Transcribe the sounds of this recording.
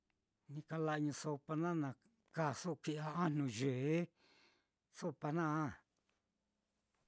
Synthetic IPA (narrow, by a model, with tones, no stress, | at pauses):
nĩ˧ka˧la˧ʔɲũ˧so˧pa˧nã˦nã˨ | ka˧˨so˦ʔkʷi˧ʔa˧a˦n̥ũ˨ʒe˨˦ | so˦pa˧nã˦˨